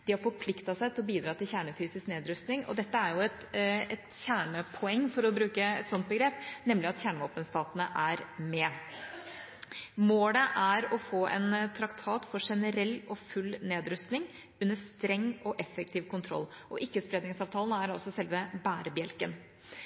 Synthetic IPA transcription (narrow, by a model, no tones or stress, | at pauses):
d̪̥ɪhɑɾfɔɾpʰlɪkt̪ɑsæɪt̪ɪlɔbiːd̪ɾɑːt̪ʰɪlçæːɳəfyːsɪskneːd̪ɾʉst̪nɪŋɔ̰d̪ɛt̪ːəæɾjʊɛt̪ɛt̪çæːɳəpʰɔɛŋːfɔɾɔbɾʉːkəɛ̰t̪sɔnt̪̚bəɡɾeːpnɛmlɪɑt̪çæːɳʋoːpənst̪ɑːt̪ənəʔæɾmɛ | moːləʔæɾɔfoːʔɛ̰nt̪ʰɾɑkt̪ʰɑːt̪fɔɾʂɛnəɾɛlːɔfʉlːneːd̪ɾʉst̪nɪŋ | ʉnːəst̪ɾɛŋːɔʔɛfɛk̚t̪ʰiːʋkʰʊnt̪ʰɾɔ̰lː | ʔɔʔɪkːəspɾeːd̪nɪŋsɑːʋt̪ʰɑːlənəæɾɑ̰sɔsɛlʋəbæːɾəbjɛlkən